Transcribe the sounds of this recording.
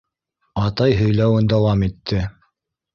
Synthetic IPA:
ɑt̪ɑjɦɵ̆jlæwɘnd̪ɑwɑmit̪ʰːɘ

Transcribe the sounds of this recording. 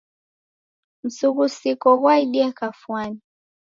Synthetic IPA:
m̩suɣusikɔɣwaiɗiɛkafwani

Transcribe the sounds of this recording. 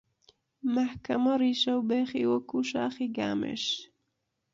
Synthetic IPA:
mahkamaɾiʃawbeχiwakuʃaːχiɡa̰mḛʃ

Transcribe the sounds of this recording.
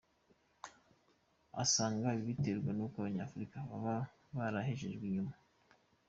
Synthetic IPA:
a̰saːŋɡaβiβiteɾɡwenukaβaɲaːfuɾikaβaβa | βaɾaheʒe̞ʒɡwiːɲuma

